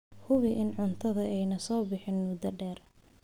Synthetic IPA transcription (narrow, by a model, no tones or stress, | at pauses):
hʊβɪʔɪnʕʊnt̪ʰɐðɐɛjnɐsɔːbɪħɪnmʊd̪ɐɖɛːr